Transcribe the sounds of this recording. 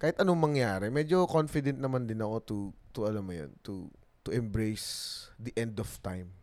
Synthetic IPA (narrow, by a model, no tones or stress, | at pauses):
kaːhɪt̪ʔɐnoŋmɐŋjaːɾɛmɛd͡ʒo̞konfɪd̪ɛnt̪̚nɐmand̪ɪnɐko̞t̪ut̪uʔɐlɐmɐjo̰nt̪ṵ | t̪ʊʔɛmbɾejsd̪ɐʔɛnd̪ɔft̪ã̰jm